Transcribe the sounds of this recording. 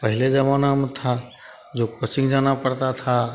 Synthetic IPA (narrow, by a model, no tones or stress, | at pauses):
pəɦɪled͡ʒəmanamt̪ʰa | d͡ʒokot͡ʃɪ̃ŋɡd͡ʒaːnapəɽt̪at̪ʰa